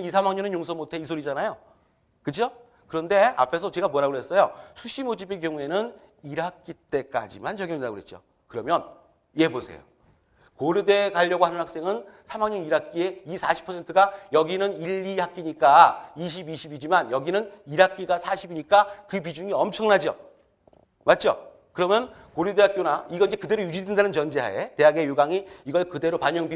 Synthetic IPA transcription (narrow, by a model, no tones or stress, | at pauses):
is̬ʰamaŋɲʌnenjoŋs̬ʰʌmotʰe̞isʰoɾid͡ʑanajo | kɯd͡ʑo | kɯɾʌnde̞a̰pʰe̞sʰʌt͡ɕe̞ɡamuʌɾaɡoɦe̞s͈ʌjosʰuɕʰimod͡ʑibe̞k̬jʌŋue̞nɯn | iɾak͈it͈e̞k͈a̰d͡ʑimant͡ɕʌɡjʌŋidaɡoɦet̚t͡ɕ͈o̰ | kɯɾʌmjʌn | je̞bosʰe̞̰jo̰ | koɾede̞kaʎːʌɡohanɯnhak̚s͈e̞ŋɯnsʰamaŋɲʌniɾak̚k͈ie̞isʰaɕʰi̥pʰʌe̞ntʰɯɡajʌɡinɯniʎːihak͈iɲik͈aiɕ̬ʰibiɕʰibid͡ʑimanjʌɡinɯniɾak͈iɡasʰaɕʰibiɲik͈akɯpid͡ʑuŋiʌmt͡ɕʰʌŋnad͡ʑo̰ | mat̚t͡ɕ͈o | kɯɾʌmjʌnkoɾjude̞ɦak͈jonaiɡʌind͡ʑe̞kɯde̞ɾojud͡ʑidendanɯnt͡ɕʌnd͡ʑeɦa̰ete̞ɦaɡejuɡaŋiiɡʌɭkɯde̞ɾopaɲʌŋbi